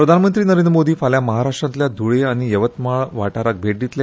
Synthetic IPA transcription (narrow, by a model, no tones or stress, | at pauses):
pɾəd̪ʱanmənt̪ɾiːnəɾend̪ɾəmod̪iːfaljaməɦaɾaʂʈɾãnt̪ljad̪ʱuɭeaɽ̃ijəʋət̪maɭʋaʈaɾak̚bʱeʈ̚d̪it̪lj